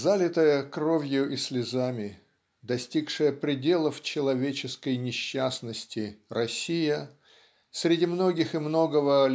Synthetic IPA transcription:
zalʲɪt̪əjəkro̞vʲjʊʔisʲlʲɪzamʲɪ | d̪ɐsʲtʲikʂɨjəpɾʲɪdʲe̞lˠəft͡ɕɪlˠɐvʲet͡ɕɪskəjnʲɪɕːasnəsʲtʲɪrɐsʲijə | sʲɾʲɪdʲimno̞ɡʲɪxɨmno̞ɡəvə

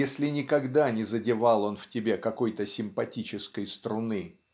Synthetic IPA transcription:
jesʲlʲɪnʲɪkɐɡd̪anʲɪzədʲɪvɑlˠo̞nftʲɪbʲekɐko̞jt̪əsʲɪmpɐtʲit͡ɕɪskəjst̪ɾʊnɨ

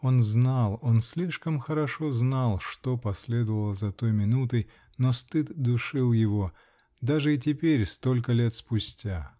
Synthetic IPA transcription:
o̞nznalˠo̞nsʲlʲiʂkəmxəɾɐʂo̞znalˠʂt̪o̞pɐsʲlʲed̪əvəlˠəzɐt̪ojmʲɪnut̪əj | nost̪ɨt̪d̪ʊʂɨlˠjɪvo̞ | d̪aʐɨɪt̬ʲɪpʲeɾʲst̪o̞lʲkəlʲe̞t̪spʊsʲtʲa

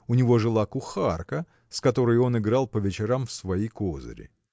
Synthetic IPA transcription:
ʊnʲɪvo̞ʐɨlˠakʊxarkə | skɐt̪o̞ɾɨjo̞nɪɡɾalˠpəvʲɪt͡ɕɪɾamfsvɐjijkozə̰ɾʲɪ̰

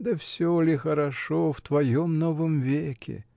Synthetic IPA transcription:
d̪ɐfsʲɔlʲɪxɐɾɐʂɔft̪vɐjɔmnɔvɨmvʲekʲʰɪ̰

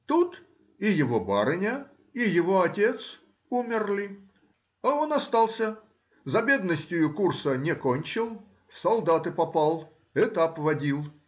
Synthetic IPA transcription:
t̪ut̪ | ɪjɪvo̞baɾɨnʲə | ijɪvo̞ɐtʲe̞t̪s | umʲɪrlʲɪ | ɐo̞nɐst̪alˠsʲə | zɐbʲe̞d̪nəsʲtʲʊjʊkursənʲɪkonʲt͡ɕɪlˠ | sɐlˠd̪at̪ɨpɐpalˠ | ɛt̪ɐpvɐdʲilˠ

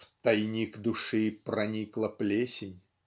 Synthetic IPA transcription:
ft̪ɐjnʲikd̪ʊʂɨpɾɐnʲiklˠəplʲesʲɪnʲ

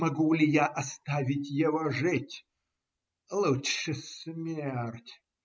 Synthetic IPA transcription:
mɐɡulʲɪjaʔɐst̪avʲɪtʲjɪvoʐɨtʲ | lˠutʂɨsmʲertʲ

